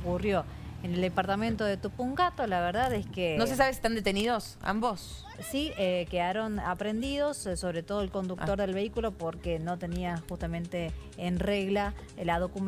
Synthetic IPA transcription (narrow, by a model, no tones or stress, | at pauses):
kurjo̞ | eneld̪epaɾt̪amẽnt̪oðet̪upuŋɡat̪olaβeɾðaðeskenos̬es̬aβesi̥t̪and̪et̪eniðos | a̰mbos | siekeaɾo̞napɾe̞nd̪iðo̞sːo̞βɾet̪o̞ðo̞elko̞nd̪ukt̪o̞ɾðe̞lβeikulo̞poɾkeno̞t̪e̞niaxust̪amẽnt̪eːnreɣla | lað̞o̞kum